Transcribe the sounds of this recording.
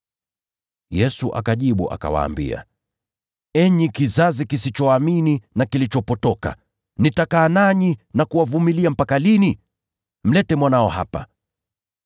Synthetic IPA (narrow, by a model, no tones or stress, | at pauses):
jɛsuʔa̰kaʄiɓṵʔa̰ka̰wa̰ːmbḭa̰ | ɛɲikizazikisit͡ʃɔamininakilit͡ʃɔpɔtɔka̰ | nitakaːnaɲinakuwavumiliam̩pakalini | m̩lɛtɛmwanaɔha̰pa